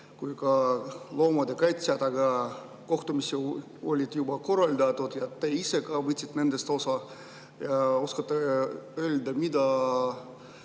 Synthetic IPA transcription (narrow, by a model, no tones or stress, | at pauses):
kujkɑlo̞ːmɑd̪ekɑjt̪ʲsiɑd̪ɑɡɑ | ko̞ht̪umisi | o̞̰lʲid̪̥jubɑko̞rɑlʲd̪ɑt̪ud̪̥jɑt̪ːeise̞kɑːvɤt̪sʲi̥t̪ːne̞nd̪est̪o̞sɑ | jɑoskɑt̪ːˑeøːlʲd̪ɑmid̪ɑ